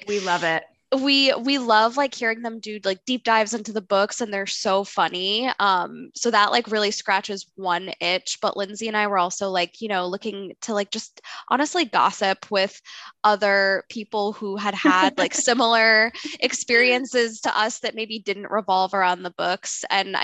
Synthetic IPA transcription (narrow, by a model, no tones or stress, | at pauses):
wilʌvɪt̚ | wiwilʌvlaɪkhiɹɪ̃ŋðə̃mdɨlaɪk̚d̥ip̚d̥aɪvzɪ̃ntʉðəbʊksɨ̃nðə˞soʊfʌniʌ̃msoʊðəʔlʔa̰ɪkɹɪlˠiskɹæt͡ʃɨzwʌ̃nɪ̃t͡ʃb̥ʌʔlʔɪ̃nziɨ̃naɪwə˞ɔlˠsoʊlaɪkʰjɨnoʊlʊkɪ̃ŋtʰəlaɪk̚d̥ʒ̥ʌstʔɑ̰ñɨstˡliɡɑ̰sɪpʰwɪð̥ʌðə˞pʰipl̩ˠhuɨd̚ədlaɪksɪ̃ml̩ˠə˞ʔɨkspɪɹiɨ̃nsɪz̥tʰə̰ʔʌsðɨt̚meɪbidɪdⁿn̩ʔɹʔɪvɑlˠvə˞ãʊ̃nðəbʊksɨ̃n̰